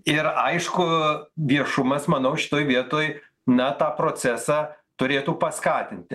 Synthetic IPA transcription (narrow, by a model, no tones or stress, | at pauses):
ɪɾɐɪʃkʊʋʲiɛʃʊmɐsmɐnɐʊʃʲɪ̥t̪oːjʋʲiɛt̪oːj | nɐt̪ɑːpɾoːt͡sʲæsɑː | t̪ʊɾʲeːt̪uːpɐskɑːt̪ʲɪnʲt̪ʲɪ